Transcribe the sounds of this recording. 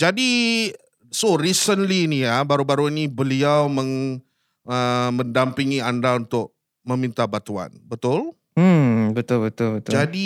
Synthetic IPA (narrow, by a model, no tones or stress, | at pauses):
d͡ʒadi | soɾisənliːnijabaɾubaɾuinibəliawmə̃ŋ | əmə̃ndampiŋiandaunt̪ʊʔ̚ | mə̃mint̪abat̪ua̰nbət̪ʊl | m̩bət̪ʊlbət̪ʊlbət̪ʊd͡ʒadi